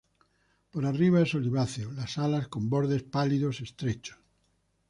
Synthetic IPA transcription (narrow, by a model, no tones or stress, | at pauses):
poɾariβ̞aesoliβ̞aθjolasalasko̞mboɾðe̞spaliðosest̪ɾet͡ʃo̥s